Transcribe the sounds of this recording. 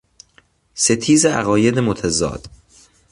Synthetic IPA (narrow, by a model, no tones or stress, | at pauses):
se̞t̪ʰiːzeæ̰ɣɒːjed̪emot̪ʰæzɒ̰ːd̪̥